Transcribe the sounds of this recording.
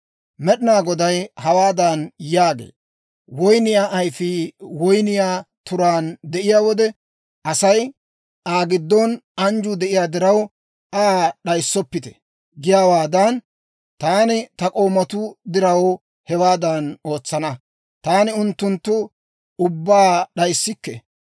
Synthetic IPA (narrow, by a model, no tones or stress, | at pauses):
mɛɗɪnaːɡɔd̪ɐjhɐwaːd̪ɐnjaːɡḛː | wɔjnɪjaːʔɐjfɪwɔjnɪjaːt̪ʊɾaːnd̪ɛʔɪjaːwɔd̪ɛ | ʔɐsɐj | ʔaːɡɪd̪ːɔnɐnd͡ʒʊd̪ɛʔɪjaːd̪ɪɾɐw | ʔaːɗɐjsːɔpːɪt̪ɛ̥ | ɡɪjaːwaːd̪ɐn | t̪aːnɪt̪ɐkʼo̞ːmɐt̪ʊd̪ɪɾɐw | hɛwaːd̪ɐno̞ːt͡sːɐnɐ | t̪aːnɪʊnt̪ːʊnt̪ːʊ | ʊbːaːɗɐjsːɪkːɛ̰